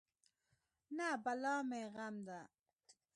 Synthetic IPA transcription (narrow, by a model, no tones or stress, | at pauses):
nabalɑːmeɣamd̪a